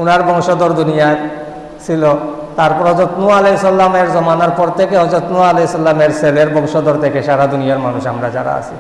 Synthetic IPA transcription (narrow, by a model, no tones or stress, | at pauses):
unaɾbɔŋʃod̪oɾd̪unijaɾ | t͡ɕʰilo | t̪aɾpɔɾɦɔd͡ʑɔt̪nuaaleisɔlameɾzɔmanaɾpɔɾt̪ʰekeɔd͡ʑot̪nuaalesɔlameɾseleɾbɔŋʃod̪oɾt̪ʰekeʃaɾad̪unijaɾmanuʃamɾad͡ʑa̰ɾa̰a̰t͡ɕʰi